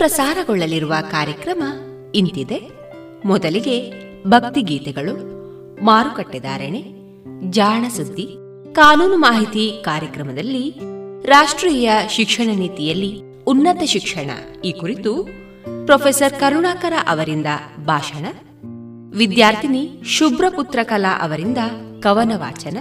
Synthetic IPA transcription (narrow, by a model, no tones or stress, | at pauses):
pɾɐsaːɾɐɡɔɭːɐliɾuʋɐkaːɾjɐkɾɐmɐ | int̪id̪e | mɔd̪ɐliɡe̞ | bʱɐk̚t̪iɡiːt̪ɛɡɐɭu | maːɾukɐʈːid̪a̰ːɾeɳe | d͡ʒaːɳɐsud̪ʱːi | kaːnuːnumaːɦit̪ikaːɾjɐkɾɐmɐd̪ɐlːiɾaːʂʈɾiːjɐʃikʂɐɳɐniːt̪ijɐlːi | unːɐt̪ɐʃikʂɐɳɐ̰ | iːkuɾit̪u | pɾɔpʰeːsɐɾkɐɾuɳaːkɐɾaʔɐʋɐɾind̪ɐbʱaːʃɐɳɐ | ʋid̪jaːɾt̪ʰiniʃubɾɐput̪ɾɐkɐla̰ʔɐʋɐɾind̪ɐkɐʋɐnɐʋa̰ːt͡ʃɐnɐ